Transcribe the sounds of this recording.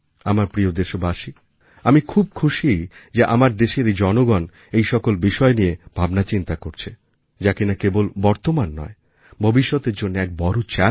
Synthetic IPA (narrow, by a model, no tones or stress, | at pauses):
amaɾpɾiod̪eʃobaʃi | amikʰub̚kʰuʃid͡ʑeʔa̰maɾd̪eʃeɾd͡ʑɔnoɡɔn | ejʃɔkolbiʃɔenijebʱabnat͡ɕint̪akoɾt͡ɕʰe | d͡ʑakinakebolbɔɾt̪omanːɔ̰e | bʱobiʃːɔt̪eɾd͡ʑonːeɛk̚bɔɾut͡ɕa